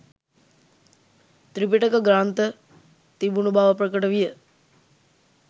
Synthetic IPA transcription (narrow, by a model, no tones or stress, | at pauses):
t̪ɾipiʈəkəɡɾaːnt̪ə | t̪ibunubʱaːʋəpɾəkəʈəʋijə